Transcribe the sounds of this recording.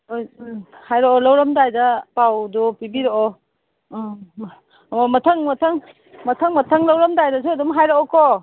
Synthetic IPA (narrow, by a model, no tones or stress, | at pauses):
ojhajɾɔɔlawɾɐmdajdapawdɔpibiɾɔʔɔ | mɐtʰɐŋmɐtʰɐŋ | mɐtʰəŋmɐtʰɐŋlawɾɐmdajdas̬udumɦajɾɔɔkɔ